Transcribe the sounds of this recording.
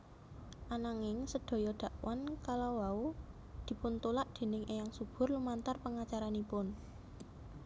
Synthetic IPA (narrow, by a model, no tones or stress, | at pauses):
ʔanaŋɪŋsəɖ̪̥o̤jɔɖ̪̥a̤ʔwankalowau | d̪̥i̤pʊnt̪ulaʔd̪̥e̤nɪŋʔejaŋsub̥ʊ̤rlumant̪arpəŋat͡ʃaɾanipʊn